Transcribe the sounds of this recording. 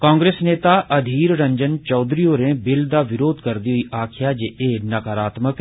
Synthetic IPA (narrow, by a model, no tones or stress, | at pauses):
kãːŋɡɾeːsneːt̪aːʔəd̪ʱiːɾɾə̃ɲd͡ʒənt͡ʃɔːd̪ɾioːɾẽːbɪld̪aːʋɪɾoːd̪kəɾd̪iːɦʊiːʔaːkʰɪjaːd͡ʒeʔeːnəkəɾaːt̪mək